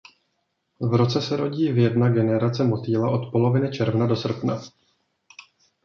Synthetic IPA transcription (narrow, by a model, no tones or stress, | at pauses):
vɾo̞t͡sɛsɛɾo̞ɟiːvjɛdnaɡɛnɛɾat͡sɛmo̞t̪iːlaʔo̞t̪po̞lo̞vɪnɪt͡ʃɛɾvnado̞sr̩pna